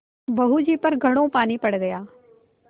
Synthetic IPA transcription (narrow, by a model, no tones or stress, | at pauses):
bɐɦud͡ʒiːpəɾɡʱɐɽ̃õːpaːnipɐɽdejaː